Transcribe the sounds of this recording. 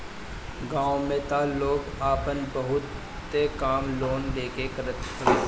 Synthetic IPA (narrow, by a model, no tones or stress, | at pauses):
ɡãːõmẽt̪aːlːoːɡ | aːpənbəɦʊt̪ː | ekaːmloːnleːkekəɾət̪kə